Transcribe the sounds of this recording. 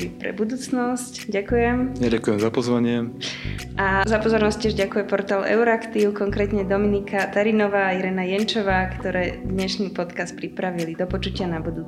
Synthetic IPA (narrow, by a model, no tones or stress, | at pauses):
ipɾɛ̰bud̪uːt͡snɔscɟakujɛmjaɟakujɛmzapɔzʋaɲɪɛ | ʔazapɔzɔɾnɔsc̚t͡ɕːɪɛʒɟakujɛpɔɾt̪aːlɛ̰ʊɾakt̪iːʊkɔŋkɾɛːt̪ɲɛd̪ɔminikʰat̪aɾinɔʋaːiɾɛːnajɛnt͡ʃɔʋaːkt̪ɔɾɛːd̪ɲɛʃniːpɔt̪kast̪̚pɾipɾaʋilid̪ɔpɔt͡ʃucɪanabud̪uːt͡s